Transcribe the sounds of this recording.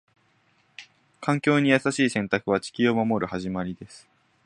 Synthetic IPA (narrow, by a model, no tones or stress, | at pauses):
kʰãŋkʲo̞ːɲ̟ijasaɕiːsẽ̞nt̪akɯ̟β̞at͡ɕi̥kʲio̞mamo̞ɾɯ̟haʑimaɾʲid̪e̞sɨ̥